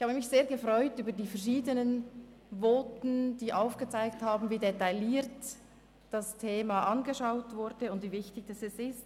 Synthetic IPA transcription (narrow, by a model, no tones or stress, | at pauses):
ɪçhaːbəmɪçz̥eːɐɡəfʁɔʏtyːbɐdiːfɛɐʁʃiːdənən | voːtn̩d̥iːʔaʊfɡ̥ət͡saɪk̚thaːbn̩viːdetaɪliːt | d̥ɑstʰeːmaʔɑnɡəʃaʊtvʊɾdəʊndviːvɪçtɪçd̥asɛsɪst